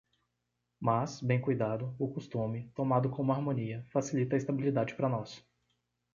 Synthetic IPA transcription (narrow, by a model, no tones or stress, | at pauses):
masbẽj̃kujd̪ad̪ʊʊkust̪ũmɪt̪omad̪ʊkõũmɐaɾmõniɐfasilit̪ɐist̪abilid̪ad͡ʒɪpɾɐnɔs